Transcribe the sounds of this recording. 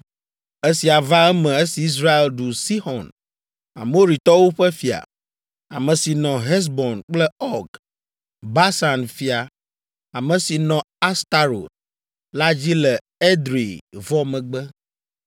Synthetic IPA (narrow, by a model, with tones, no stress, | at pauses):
e˦si˨a˨va˦ɛ˦mɛ̃˨e˦si˨i˦s̬ɾa˦e˨lɖu˨si˦xɔ̃˨n | a̰˨mo˦ɾi˨t̪ɔ˦wo˦ɸɛ˦fi˨a̰˨ | a̰˨mɛ̃˨si˨nɔ̃˨ɦɛ˦s̬bɔ˨nk͡plɛ˦ɔ˦ɡ | ba˦sa˨nfi˨a˨ | a˨mə̃˨si˨nɔ̃˨ | a˦st̪a˦ɾo̰˨t̪̚ | la˦d͡ʑi˦lɛ˨ | e˦d̪ɾi˨vɔ˦mɛ̃˨ɡ͡bɛ˦